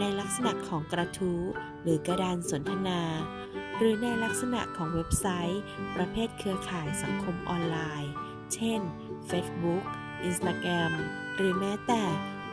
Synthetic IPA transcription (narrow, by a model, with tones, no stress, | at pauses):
na˧jla˦˥k̚sa˧na˨˩kʰɔː˩˦ŋkɾa˧t̪ʰuː˦˥ | ɾɯː˩˦ka˧daː˧nso˩˦nt̪ʰa˧naː˧ | ɾɯː˩˦na˧jla˦˥k̚sa˧na̰˨˩ʔkʰɔː˩˦ŋwe˦˥p̚sa˦˥jpɾa˧pʰeː˥˩t̪̚kʰɯ˧ɐkʰaː˨˩jsa˩˦ŋkʰo˧mʔɔː˧nlaː˧j | t͡ɕʰe˥˩n | feː˦˥sbu˦˥k̚ | ʔi˧nst̪aː˧kɾɛ˧m | ɾɯː˨˩˦mɛː˦˥t̪ɛː˨˩